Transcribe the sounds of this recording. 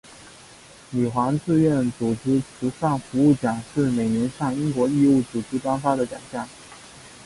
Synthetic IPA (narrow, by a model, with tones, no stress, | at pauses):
ly˨˩xwa˧˥ŋt͡sɹ̩˥˧ɥɛ˥˩nt͡su˨˩ʈ͡ʂɻ̩˥t͡sʰu˧˥ʂa˥˩ŋfu˧˥u˥˩t͡ɕjɑ˨˩ŋʂɻ̩˥˩me˨˩ɪnɛ˧˥nʂɑ˥˩ŋi˥ŋkwɔ˧˥i˥˧u˥˩t͡su˨˩ʈ͡ʂɻ̩˥˩pa˥nfa˥d̪ə˨t͡ɕjɑ˨˩ŋɕjɑ˥˩ŋ